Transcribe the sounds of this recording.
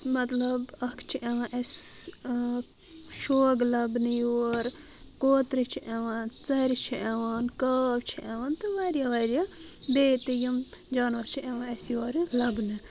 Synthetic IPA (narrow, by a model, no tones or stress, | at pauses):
mɐt̪lɐbɐkʰt͡ʃʰiʔeʋãʔes | ʃoːɡlɐbnɨjoːɾ | koːt̪ɾit͡ʃʰiʔeʋaːnt͡sɐɾit͡ʃʰiʔeʋaːnkɐbt͡ʃʰiʔeʋaːnt̪ɨʋaɾijaʋaɾja | d̪eːt̪ijimd͡ʒaːnʋɐɾt͡ʃʰieʋãesjoːɾlɐbnɨ